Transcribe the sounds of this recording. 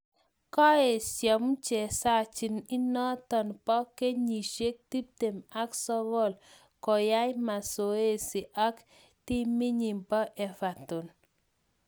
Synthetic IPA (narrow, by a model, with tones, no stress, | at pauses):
ka˦e˨sja˨mu˦t͡ʃɛ˨sa˦t͡ʃi˨ni˦nɔ˦tɔ˨npɔ˦ke˦ɲi˨ʃe˦k̚ti˦p̚te˨ma˦ksɔ˦bɔ˦˨l | kɔ˨ja˦jma˨so˨e˦si˨ʔa˦k | ti˦mi˦ɲi˨mba˦ʔɛ˨fa˨tu˨n